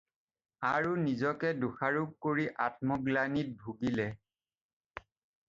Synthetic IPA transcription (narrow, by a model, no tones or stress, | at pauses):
aɹunizɔkɛduxaɹuk̚koɹiʔat̚mɔɡlanit̚bʱuɡilɛ